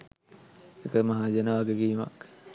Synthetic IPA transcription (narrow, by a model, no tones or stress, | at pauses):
ekəmaɦaːd͡ʒənəʋaɡeɡiːma̰k